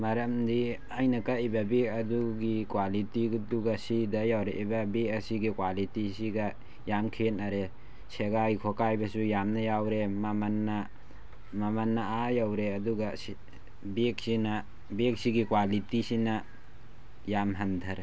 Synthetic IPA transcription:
mɐɾɐmdi | ajnɐkaibɐbekɐduɡikwalitiduɡasidɐjawɾeʔibɐbekɐsiɡikwalitisiɡa | jamkʰenaɾe | seɡajkʰokajbɐsujamnɐjawɾemamanːa | mamanːaajawɾeɐduɡasi | bek̚sina | bek̚siɡikwalitisina | jamɦɐndʰʱɐɾe

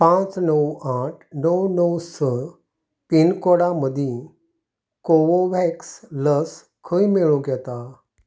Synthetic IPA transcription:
pãt͡snəwaʈʰnəwnəwsə | pinkɔɽaməd̪ʱĩ | koʋoʋɛksləs | kʰəjmeɭũɡɛt̪a

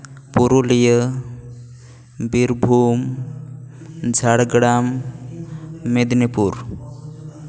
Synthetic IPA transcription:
puɾulijə | biɾbʱum | d͡ʒʱaɽɡɽam | ed̪nipuɾ

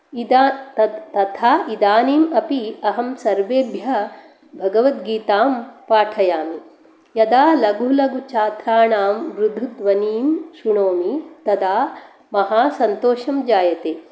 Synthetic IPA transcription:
id̪ | t̪ɐt̪ʰaːid̪aːniːmɐpiɐɦɐmsɐɾʋeːbjɐ | bʱɐɡɐʋɐt̪ɡiːt̪aːmpaːʈʰɐjaːmi | jɐd̪aːlɐɡulɐɡut͡ʃaːt̪ɾaːɳaːmʋɾud̪ʱːut̪ʋɐniːmʃuɳoːmit̪ɐd̪aː | mɐɦaːsɐnt̪oːʃɐmd͡ʒaːjɐt̪eː

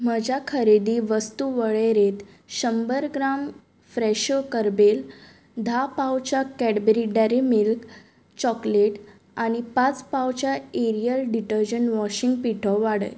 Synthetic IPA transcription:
m̤əd͡ʑʱjakʰəɾed̪iːʋəst̪uʋəɭeɾet̪ | ɕəmbəɾɡɾam | fɾɛɕokəɾbel | d̪ʱapawt͡ɕakɛɽbeɾiɖɛɾimilk | t͡ɕɔkleʈ | aɽ̃ipat͡spawt͡ɕjaeɾijəlɖiʈəɾd͡ʑəɳʋɔɕiŋɡ̚piʈʰɔʋaɽə̰j

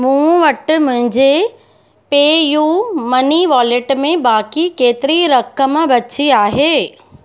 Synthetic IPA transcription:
mũːʋɐʈmʊ̃ɦɪ̃ɲd͡ʑe | peːjuːmɐniʋaːleʈmẽbaːkikeːt̪ɪɾiɾɐkəmbɐt͡ɕiaːɦeː

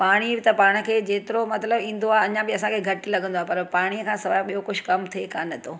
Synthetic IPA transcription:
paːɽ̃ibɪt̪ɐpaːɽ̃ə̆kʰeːd͡ʑeːt̪ɪɾomɐt̪ləbĩːn̆d̪oaːɦɐɲãbɪɐsãkʰeːɡʱɐʈilɐɡʱə̃nd̪oaɦepɐɾpaːɽ̃iəkʰãːsɐʋaːɓijokʊd͡ʑʱkɐmt̪ʰekaːnɐt̪ʰoː

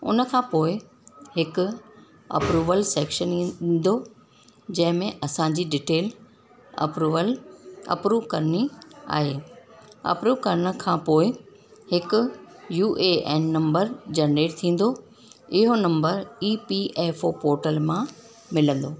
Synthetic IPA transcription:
ʊ̰nə̆kʰãːpoːɪ | hɪkʊ | ɐ̰pɾuːʋəlseːkʃənĩɗɪ̃n̆d̪o | d͡ʑɐ̃ɦɪ̃mẽʔɐsãɲd͡ʑiːɖɪʈeːl | ɐ̰pɾuːʋəlɐ̰pɾuːʋkɐɾənia̰ːɦeːɐ̰pɾuːʋkɐɾənə̆kʰãːpoːɪ | hɪkʊ̆juːʔeɛːnːɐ̃mbəɾd͡ʑɐɳɖeːʈt̪ʰĩːn̆d̪o | ɪɦonɐ̃mbəɾiːpiʔɛːfopoːɾʈəlmã | mɪlə̃nd̪oː

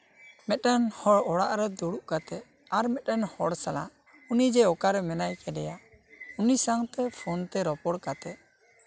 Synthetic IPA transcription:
mɛt̚ɛnhɔɽɔɽaʔɾɛd̪uɽuʔkat̪ɛ | aɾmɛt̚ˀɛnhɔɽsala̰ | unid͡ʒɛɔkaɾɛmɛnajkɛdɛja | unisaŋt̪ɛpʰɔnt̪ɛɾɔpɔɽkat̪ɛʔ

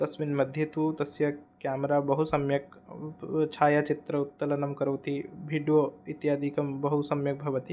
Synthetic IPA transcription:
t̪ɐsʋinmɐd̪ʱjɐt̪ut̪ɐsjɐkjaːmɾaːbɐɦusɐmjɐk | t͡ʃʰaːjat͡ʃit̪ɾɐut̪ːɐlɐnɐmkɐɾɐwt̪ibʱiːɖijoːit̪jaːd̪ʱikɐmbɐɦusɐmjɐk̚bʱɐʋɐt̪i

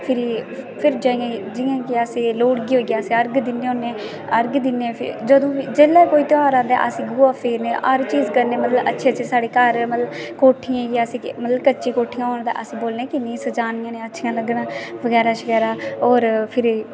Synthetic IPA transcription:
pʰɪɾiːpʰɪɾd͡ʒãːijãd͡ʒɪjãːkɪəsĩːloːɽɡiːɦoːiːɡjaːsiːəɾɡd̪ɪnːeːɦoːnẽː | əɾɡd̪ɪnːeːpʰɪ̰ɾd͡ʒəd̪õːʋiːd͡ʒeːlːeːkoːiːt̪ɪaːɾãːd̪ḛːʔəsĩːɡuːaːpʰeːɾneːʔəɾt͡ʃiːzkəɾneːmət̪ləbə̰tːʃʰeːt͡ʃəsaːɽeːkəɾmət̪ləbkoːʈʰɪjãːɡjːəsĩːmət̪ləbkətːt͡ʃʃiːkoːʈʰːijãːɦoːñːt̪ã̰ːʔəsĩːboːlneːkɪnĩːsəd͡ʒaːnɪjãːneːətːʃʰijãːləɡnãːʋəɡɛːɾaːʃəɡɛːɾaːɔːɾpʰɪɾ

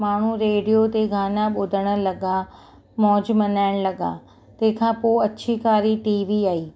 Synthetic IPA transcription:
maːɳ̤uɾeːɖijot̪eɡʱaːnaɓʊd̪ʱəɽ̃ə̆lɐɡa | mɔːd͡ʑmɐnaːɪɽ̃lɐɡa̰ | t̪ɐ̃ɦkʰãpoːɐtːʃʰikaːɾiʈiːʋiaːiː

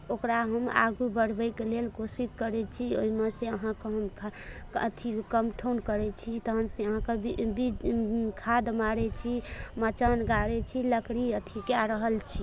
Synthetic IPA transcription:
okɾaɦəma̰ɡubəɽ̤bəjkelelkosiskəɾɛt͡ʃʰio̰ɦimeseəɦãkeɦəmkʰ | ə̰t̪ʰikəmʈʰonkəɾɛt͡ʃʰit̪əɦənseəɦãkebibikʰad̪maɾɛt͡ʃʰimət͡ʃənɡaɾɛt͡ʃʰiləkɽiət̪ʰikeaɾəɦəlt͡ʃʰi

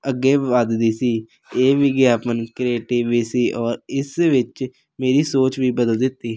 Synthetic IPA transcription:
əɡːeːaːd̪d̪iːsiː | eːʋiːɡeːaːpənkɾeːʈɪʋiːsiːʔɔːɾɪsʋɪt͡ʃ | meːɾiːsoːt͡ʃʋiːbəd̪əld̪ɪt̪ːiː

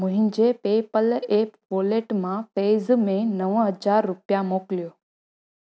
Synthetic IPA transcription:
moɦind͡ʒepepəlepʋoleʈmãfezmẽnəʋɦəd͡ʒaɾːupjamokljo

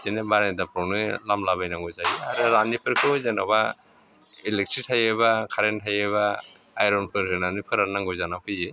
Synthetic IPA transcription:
tenebaɾandapʰɾɔnɯlamlabajnaŋɡɔzajiaɾɯɾanipʰɯɾkʰɯzanaba | ilek̚tʰɾitʰajeβakʰaɾentʰajeβaː | jɾɔnpʰɯɾkɯnanɯpʰɯɾanaŋɡɯjzanapʰɯje

